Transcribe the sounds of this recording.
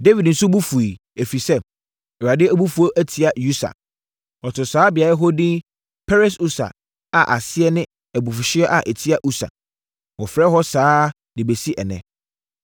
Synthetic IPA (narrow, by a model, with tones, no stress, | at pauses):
de˦vi˨dn̩˨˦sʊ̃˦bu˦fu˨i˨ | e˨fi˨sɛ˦˨ | ɛ˨a˨dɪ˦æ˦bu˦fu˨˦o˦ʔæ˦tʰi˨a˨ju˦sa̰˨ | ɔ˨tʊ˨saː˨˦bɪ˨a˨ɾɛ˦ɦɔ˦dĩ˦ | pʰɛ˦ɾɛ˦su˦sa̰˨ | a˨ʔa˨sɪ˦ɛ˦nɪ̃˦ | æ˨bu˨fʊ˨ɕɪ˦ɛ˦ʔa˨ʔɛ˨tʰi˦a˦ʔu˦sa̰˨ | wɔ˨fɾɛ˦ɦɔ˦saː˦ | dɪ˨be˨si˦ʔɛ̰˨nɛ̰̃˨